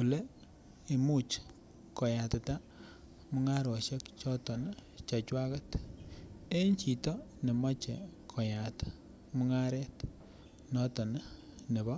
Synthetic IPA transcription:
ku˨le˦ | i˨mu˦t͡ʃ | ko˨ja˨tɪ˨ta˦ | mʊ˦ŋa˦ɾo˨ʃe˦kt͡ʃɔ˦tɔ˨n˦ | t͡ʃa˨t͡ʃwa˦kɐ˦t | e˦ɲt͡ʃi˨tɔ˦ne˨mɔ˦t͡ʃɛ˨kʰo˨ja˨t | mu˦ŋa˦ɾɛ˦t | nɔ˦tɔ˨n˦ | ne˨bɔ˦

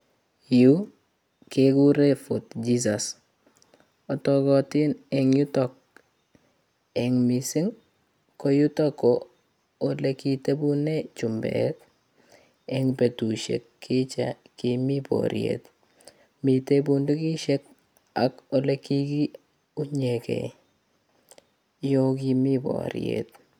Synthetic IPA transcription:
ju˦ | keɡu˦ɾe˦fʊtd͡ʒis̬a˨s | ɔ˨tɔkɔ˨tɪ˦nɛ˨ŋju˦tɔk̚ | ɛ˨ŋmi˨sɪ˦ŋ | ko˦ju˦tɔ˦kɔː˨ | le˦ki˨te˦bu˦ne˦t͡ʃu˨mbɛ̰t | ɛŋpe˨tu˨ʃḛ˨kːi˦t͡ʃa˨ | kimi˦pɔ̰ɾj̰ḛt | mi˨tebu˦ndu˦ki˦ʃe˦k̚ | a˦ko˦le˦ki˦ki˦ | u˦ɲe˨kɛ̰˨ | jo˦k̬i˧mi˦bɔ̰ɾj̰ḛt̚

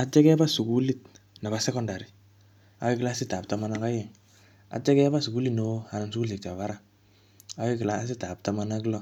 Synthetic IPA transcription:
a˨t͡ʃɛ˦kɛ˦ba˦su˨ku˦li˦t̚ | na˨ba˨sɛ˦kɔ˦nda˨ɾi˨ | a̰˨wi˦k̬ɪ˨la˦sɪ˦ta˨pta˨ma˦na˦ka˦je˨ŋ | a̰˨t͡ʃɛ˦kɛ˦ba˦su˨ku˦li˦tno˨˦a˨na˨nsukuli˨kta˨βa˦ɾa˦ | a˦wi˦ki˨laː˦s̬ɪ˦ta˨p̚ta˦ma˦na˦ki˦lɔ˦˨

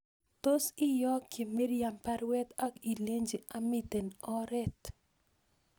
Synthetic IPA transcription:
t̪o˦sɪ˦jɔ˦kʰe˨me˦ɾja˨mpɛ˦ɾwɛ˦t̪a˦ki˨le˦ɲd͡ʒe˨a˦mɪ˨t̪e˨nɔ˦ɾɛ˦t̪

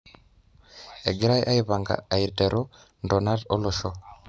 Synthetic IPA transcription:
ɛ˨ɡi˦ɾa˦i˦ʔa˦i˦βa˨ŋɡa̰˨a˨i˨ɾtɛ˨ɾɔ˦ | ndɔ˨na˦dɔ˦lɔ˨ʃɔ˦

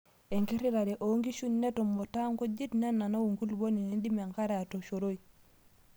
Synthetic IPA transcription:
e˨ŋki˦ɾi˦ɾa˨ɾe˨ʔoŋki˦ʃu˦ɲne˦to˨mːo˨ta˦ŋko˦ɟi˦tna˦nːa˨na˦wu˨ŋku˦lbo˦ni˨ni˦ndi˦me˨ŋka˦ɾa˨to˨ʃo˨ɾo˦i˨

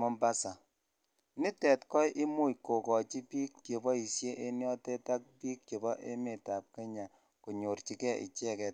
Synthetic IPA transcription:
mɔ˦mba˦sa˨ | ni˦tɛ˨tkɔ˦jʔi˦mu˦jko˨kɔ˨t͡ʃi˦piː˦kt͡ʃo˨bɔ˦i˨sje˦ʔe˦njɔ˦tɛ˦ta˦k̚piː˦k̚t͡ʃo˨bɔ˦ʔe˦me˨ta˨p̚ke˦ɲa˨ | ko˨ɲo˨ɾt͡ʃi˨˦kɛ˦ḭ˨t͡ʃɛ˦kɛ˨t̚

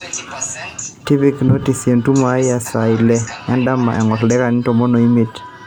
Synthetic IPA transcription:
ti˦pi˦kno˦ti˨sje˨ntu˦ma˨˦jja˨sa˨i˨lɛ˦ɛ˦nda˦ma̰ʔɛ˨ŋɔ˨tlɛ˦ka˨nɪ˦tɔ˨mɔ˦no˨i˦mi˨t

